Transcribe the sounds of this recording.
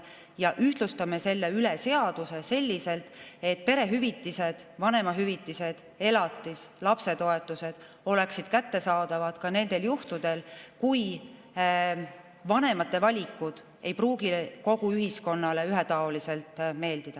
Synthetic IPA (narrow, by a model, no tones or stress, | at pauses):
jɑʔyht̪lust̪ɑmese̞lːe̞ylese̞ɑd̪̥use̞se̞lʲːise̞lt̪ːˑe̞t̪̚ːpe̞ɾe̞ɦyvit̪ːise̞d̪̥vɑne̞mɑɦyvit̪ːˑise̞d̪̥ | e̞lɑt̪ˑːislɑpse̞t̪o̞e̞t̪ːˑuse̞d̪̥ | o̞le̞ksid̪̥kæt̪ːe̞sɑːd̪̥ɑvɑd̪̥kɑne̞nd̪e̞ljuht̪ud̪̥e̞lkuj | vɑne̞mɑt̪ːˑe̞vɑlʲikːˑud̪̥ | e̞jpruːɡiko̞ɡ̥uyɦisko̞nːɑleyɦet̪ɑolise̞lt̪ˑme̞ːld̪id̪ɑ